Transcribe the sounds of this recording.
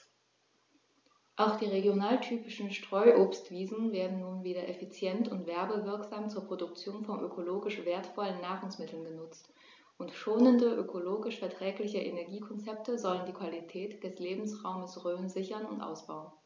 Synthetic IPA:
ʔaʊxd̥iːʁeɡjonaːltʰyːpɪʃn̩ʃtʁ̥ɔʏʔoːpstv̥iːzn̩veːɐdn̩nuːnviːdɐʔefit͡sjɛntʊntv̥ɛɐbəvɪɐkz̥aːmt͡suːɐpʁ̥odʊkt͡sjoːnfɔnʔøkʰoloːɡɪʃv̥eːɐtfɔlənːaːʁʊŋsmɪtʰl̩nɡənʊt͡st | ʔʊntʃoːnəndəʔøkʰoloːɡɪʃfɛɐtʁ̥ɛːklɪçəʔenɛɐɡiːkʰɔnt͡sɛp̚təzɔləndiːkv̥alitʰɛːtd̥ɛsleːbm̩sʁaʊməsʁøːənzɪçɐnʊ̰ntʔa̰ʊsb̥aʊən

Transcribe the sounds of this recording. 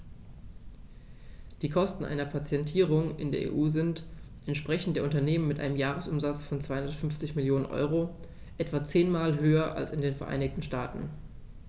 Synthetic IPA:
d̥iːkʰɔstn̩ʔa̰ɪnɐpʰat͡sjɛntʰiːʁ̞ʊŋʔɪ̰ndeːɐʔḛːʔuːzɪnt | ʔɛntʃpʁ̥ɛçn̩td̥eːɐʊntɐneːmənmɪtʔaɪnəmjaːʁ̞əsʊmzat͡sfɔnt͡sv̥aɪhʊndɐtfʏnft͡sɪçmɪljoːnənʔɔ̰ʏʁo | ʔɛtv̥at͡seːnmaːlɦøːɐʔa̰lsɪndeːnfɛɐʔa̰ɪnɪktn̩ʃtaːtn̩

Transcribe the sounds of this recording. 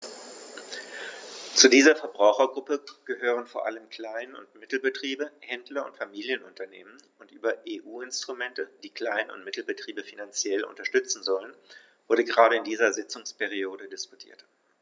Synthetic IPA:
t͡sudiːzɐfɛɐbʁaʊxɐɡʁʊpəɡ̥əhøːʁ̞ənfoːɐʔa̰ləmkʰl̥aɪnnʊ̰ntmɪtl̩bətʁ̥iːbəhɛndlɐʊ̰ntfamiːljənʊntɐnḛːmən | ʊntʔyːbɐʔeːʔuːɪnstʁ̥ʊmɛntəd̥iːkl̥aɪnənʊ̰ntmɪtl̩bətʁ̥iːbəfinant͡sjɛlʔʊ̰ntɐʃtʏt͡sn̩zɔlən | vʊɐdəɡəʁaːɾəɪndiːzɐzɪt͡sʊŋspɛʁioːdədɪsku̥tʰḭːɐt

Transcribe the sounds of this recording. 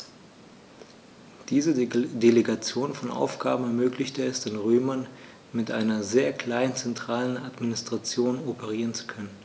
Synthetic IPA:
d̥iːzədeleɡat͡sjoːnfɔnʔa̰ʊfɡ̥a̰ːbm̩ɛɐmøːklɪçtəɛstɪnʁøːmɐn | mɪtʔa̰ɪnɐzeːɐkl̥aɪənt͡sɛntʁ̥aːlənatminɪstʁ̥at͡sjoːnɔpʰəʁ̞iːʁənt͡su̥kʰœnən

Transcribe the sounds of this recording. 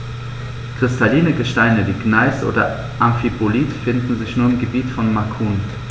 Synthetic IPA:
kʁ̥ɪstʰaliːnəɡəʃtaɪnəviːɡnaɪsʔo̰ːdɐ̰ | ʔamfipʰoliːtfɪndn̩zɪçnuːɐɪmɡəbiːtfɔnmakʰuːn

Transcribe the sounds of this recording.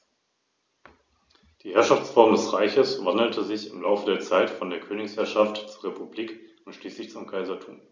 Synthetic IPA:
d̥iːhɛɐʃaft͡sfɔɐmdɛsʁaɪçəsvandl̩tʰəzɪçɪmlaʊfədeːɐt͡saɪtfɔndeːɐkʰøːnɪçshɛɐʃaftt͡suːɐʁepʰubliːkʊntʃliːslɪçt͡sʊmkʰaɪzɐtʰṵːm

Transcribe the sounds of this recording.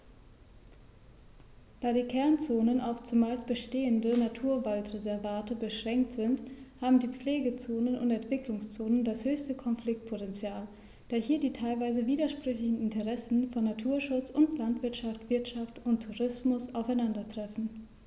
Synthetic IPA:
d̥aːɾiːkʰɛɐnt͡soːnənʔaʊft͡sumaːlstb̥əʃteːəndənatʰuːɐvaltʁezɛɐvaːtəbəʃʁ̥ɛŋk̚tz̥ɪnthaːbm̩diːp͡fleːɡət͡soːnənʊ̰ntɛntv̥ɪklʊŋst͡soːnəndashøːçstəkʰɔnflɪk̚t̚pʰotɛnt͡sjaːl | d̥aːɐhiːɐdiːtʰaɪlvaɪzəviːdɐʃpʁ̥ʏçlɪçn̩ɪntəʁɛsn̩fɔnːatʰuːɐʃʊt͡sʊntlantv̥ɪɐtʃaftv̥ɪɐtʃaftʊntʰːuʁɪsmʊsaʊfaɪnandɐtʁ̥ɛfn̩

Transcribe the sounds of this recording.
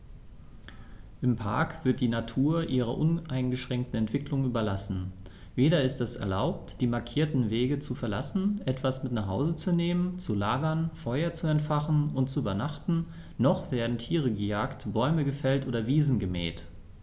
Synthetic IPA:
ʔɪmpʰaɐkv̥ɪɐt̚d̥iːnatʰuːɐʔiːʁɐ̰ʔʊnʔaɪnɡəʃʁ̥ɛŋk̚tn̩ɛntv̥ɪklʊŋyːbɐlasn̩ | veːɾɐɪstɛsɛ̰ɐlaʊp̚td̥iːmaɐkʰiːɐtn̩veːɡət͡sufɛɐla̰sn̩ʔɛtv̥asmɪtnaχhaʊzət͡suneːmənt͡sulaːɡɐnfɔʏɐt͡suɛntfaχn̩ʊnt̚t͡suyːbɐnaχtn̩ | nɔχv̥eːɐdn̩tʰiːʁ̞əɡəjaːktb̥ɔʏməɡəfɛltʔoːɾɐviːzn̩ɡəmɛ̰ːt

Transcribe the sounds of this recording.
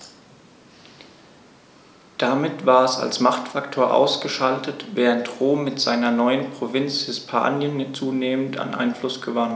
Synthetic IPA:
d̥amɪtv̥aːɐɛsa̰lsmaχtfaktʰoːɐʔa̰ʊsɡ̥əʃaltʰətvɛːʁəntʁoːmːɪtz̥aɪnɐnɔʏənpʁ̥ovɪnt͡shɪspʰa̰ːnjənjt͡suːneːmən̩tʰa̰nʔa̰ɪnflʊsɡ̥əvant

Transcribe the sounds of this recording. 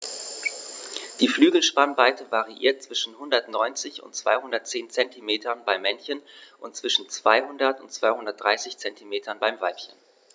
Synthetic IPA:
d̥iːflyːɡl̩ʃpanvaɪtʰəvaʁiʔḭːɐt̚t͡sv̥ɪʃn̩hʊndɐtnɔʏnt͡sɪçʊ̰ntt͡sv̥a̰ɪhʊndɐt̚t͡seːnt͡sɛntimeːtɐnbaɪmːɛnçənʔʊntt͡sv̥ɪʃn̩t͡sv̥aɪhʊndɐtʊntt͡sv̥aɪhʊndɐt̚d̥ʁaɪsɪçt͡sɛntʰimeːtʰɐnbaɪmvaɪpçən

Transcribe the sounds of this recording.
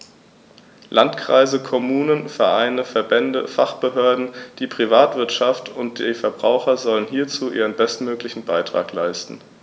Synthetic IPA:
lʔantkʁ̥a̰ɪzəkʰɔmuːnənfɛɐʔaɪnəfɛɐbɛndəfaχb̥əɦøːɐdn̩d̥iːpʁ̥ivaːtv̥ɪɐtʃaftʊntd̥iːfɛɐbʁaʊxɐzɔlənɦiːɐt͡suːʔiːʁ̞ənbɛstmøːklɪçn̩baɪtʁ̥a̰ːklaɪstn̩

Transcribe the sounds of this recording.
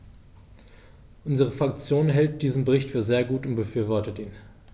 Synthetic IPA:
ʔʊnzəʁəfʁ̥akt͡sjoːnnɦɛlt̚d̥iːzən̩bəʁɪçtfyːɐzeːɐɡuːtʊnt̚b̥əfyːɐvɔɐtətʔiːn

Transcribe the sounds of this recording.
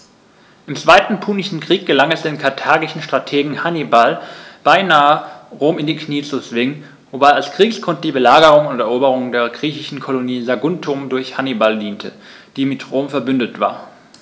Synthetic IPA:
ʔɪmt͡sv̥aɪtn̩pʰuːnɪʃn̩kʁ̥iːk̚ɡ̥əlaŋɛsd̥eːnkʰaɐtʰaːɡɪʃn̩ʃtʁ̥atʰeːɡŋ̩hanibalb̥aɪnaːəʁoːmɪndiːkniːt͡sut͡sv̥ɪŋən | vobaɪalsɡ̥ʁ̥iːkskʰɔnt̚d̥iːbəlaːɡəʁʊŋʊntɛɐʔoːbəʁ̞ʊŋdeːɐɡʁiːçɪʃn̩kʰoloniːzaɡʊntʰʊmdʊɐçhanibaldiːntʰə | d̥iːmɪtʁoːmfɛɐbʏndətv̥a̰ːɐ

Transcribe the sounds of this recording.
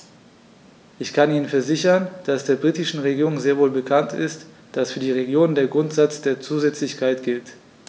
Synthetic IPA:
ʔɪçkʰaniːnənfɛɐzɪçɐnd̥asd̥eːɐbʁiːtɪʃn̩ʁeɡiːʁʊŋzeːɐvoːlbəkʰantɪst | d̥asfyːɐdiːʁ̞eɡjoːnndeːɐɡʁʊntz̥at͡sd̥eːɐt͡suːzɛt͡slɪçkʰaɪtɡ̥ɪlt

